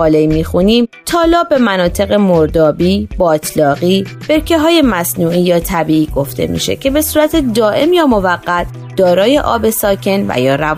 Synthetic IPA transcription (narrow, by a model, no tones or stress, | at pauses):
ɒːleimiːxuniːmt̪ʰɒːlɒːbe̞mænɒːt̪ʰe̞ɣe̞moɾd̪ɒːbiːbɒːt̪ʰlɒːɣiːb̥e̞ɾcʰeɦɒːje̞mæsnuːʔiːjɒːt̪ʰæbiːʔiːɡo̞ft̪ʰe̞̰mḭːʃe̞̰cʰe̞be̞suːɾæt̪ʰe̞d̪ɒːʔe̞mjɒːmo̞væɡːæt̪ʰ | d̪̥ɒːɾɒːje̞ʔɒːbe̞sɒːcʰe̞nvæ̰jɒːɾæ